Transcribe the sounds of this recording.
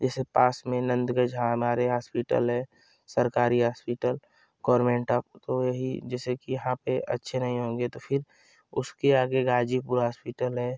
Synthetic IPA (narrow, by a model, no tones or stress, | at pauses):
d͡ʒɛːsepaːsmẽnə̃nd̪ɡəd͡ʒɦãɦɐmaːɾeɦaːspɪʈə̰lɦɛː | səɾkaːɾiɦaːspɪʈəl | ɡ̥ɔːɾmẽːɳʈaːp̚t̪ojɐɦid͡ʒɛːsekijɐɦãpeʔɐ̰tːʃʰenɐɦĩɦõːŋɡet̪opʰɪɾ | ʊskeaːɡeɡaːd͡ʒipuːɾɦaːspɪʈəlɦɛː